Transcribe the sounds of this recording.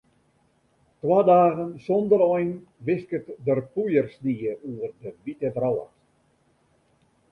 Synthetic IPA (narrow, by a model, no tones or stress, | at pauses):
twaːdaːɣənsɔndəɾɔjn | ʋɪskətdərpujərsniəuərdəʋitəvrɔwə̰t